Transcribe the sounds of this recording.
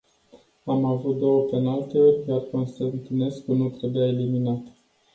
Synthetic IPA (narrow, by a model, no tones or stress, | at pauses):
amavut̪̚d̪o̞wət̪enalt̪e̞o̞rʲjarko̞nst̪ant̪ine̞skunut̪ɾe̞bujae̞liminat̪